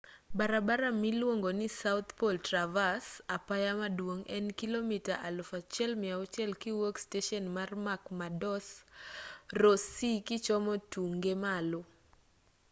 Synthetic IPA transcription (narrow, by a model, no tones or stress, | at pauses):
baɾabaɾamilwoŋɡonɪsaʊt̪poltɾavasapajamadwoŋɛnkilomitaʔalʊfat͡ʃjɛlmɪaʊt͡ʃɛlkɪwoksteʃɔnmarmakmadɔs | rosikɪt͡ʃɔmɔtuŋɡemalʊ